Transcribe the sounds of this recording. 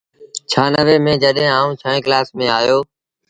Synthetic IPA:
t͡ʃʰaːnəʋeːmẽːd͡ʒəɗɦẽːaːũːt͡ʃʰəːẽːklaːsmẽːaːjoː

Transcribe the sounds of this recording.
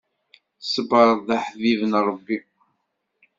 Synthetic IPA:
səbəɾˤðˤaħvivənɾˤːəbːi

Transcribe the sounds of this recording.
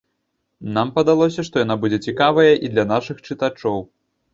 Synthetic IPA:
nampɐd̪alˠɔs̬ʲɐʂt̪ɔjanabud͡zʲɛt͡sʲikavɐjɐʔid̪lʲɐnaʂɨxt͡ʂɨt̪at͡ʂɔw

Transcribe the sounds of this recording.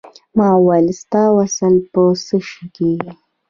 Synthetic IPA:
mɑwalist̪ɑwasalpəsəʃki

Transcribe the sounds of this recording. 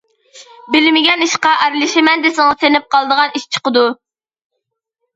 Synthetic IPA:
bɪlɪmɪɡʲɛniʃqɑʔæɾlˠɪʃɪmɛnd̪esɪŋɨsenɪp̚qɑlˠd̪əʁɑniʃt͡ʃʰə̥qəd̪u

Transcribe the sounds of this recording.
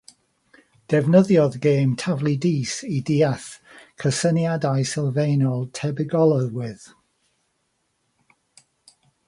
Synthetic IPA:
d̥ɛvnəðjɔðɡeːmtʰavlˠidiːsidiaθkʰəsənjadajsɪlˠvejnɔlˠtʰɛbɪɡɔlˠəðwɪð

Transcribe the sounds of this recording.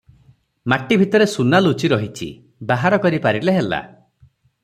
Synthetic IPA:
maʈibʱit̪ɔɾesunalut͡ʃiɾɔɦit͡ʃʰḭ | baɦaɾɔkɔɾipaɾileɦela̰

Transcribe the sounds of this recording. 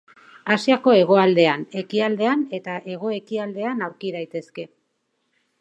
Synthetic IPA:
asiako̞e̞ɣ̞o̞ald̪e̞ane̞kiald̪e̞ane̞t̪aʔe̞ɣ̞o̞e̞kiald̪e̞anawɾkiðajt̪e̞ske̞

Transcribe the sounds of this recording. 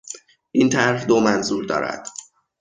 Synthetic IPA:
ʔint̪ʰæɾhd̪omænzuːɾd̪ɒ̰ːɾæ̰d̪̥

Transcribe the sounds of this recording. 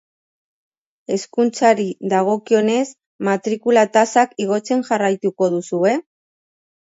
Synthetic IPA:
e̞skunt͡saɾiðaɣ̞o̞kio̞ne̞s | mat̪ɾikulat̪asakiɣ̞o̞t͡se̞nʝarajt̪uko̞ðusue̞

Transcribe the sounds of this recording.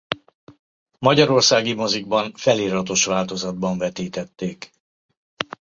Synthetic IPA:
mɒɟɒɾo̞rsaːɡimo̞ziɡ̚bɒɱfɛliːɾɒt̪o̞ʃʋaːlt̪o̞zɒd̪̚bɒɱvɛt̪iːt̪ɛt̪ːeːk

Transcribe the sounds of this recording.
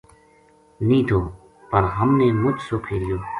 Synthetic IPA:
nĩːt̪ʰoː | pəɾɦəmneːmʊd͡ʒsoːkʰeːlɪjoː

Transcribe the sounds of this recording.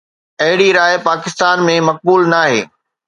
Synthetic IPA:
ɐɦɪɽiɾaːɪpaːkɪst̪aːnmẽmɐk̚buːlnaːɦḛː

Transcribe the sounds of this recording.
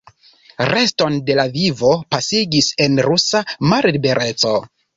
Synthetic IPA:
re̞sto̞nde̞lavivo̞pasiɡise̞nɾusamaɾibe̞ɾʔe̞t͡so̞

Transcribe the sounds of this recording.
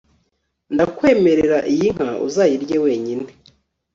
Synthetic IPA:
ndakwe̞ːme̞ɾe̞ɾaʔijiŋ̥haʔṵzaːjiɾɟewe̞ːɲine

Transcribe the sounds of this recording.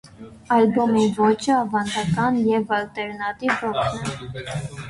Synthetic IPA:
ɑlbɔmivɔt͡ʃʰəɑvɑnd̪ɑkɑnjɛvɑlt̪ɛɾnɑt̪ivɔkʰnɛ

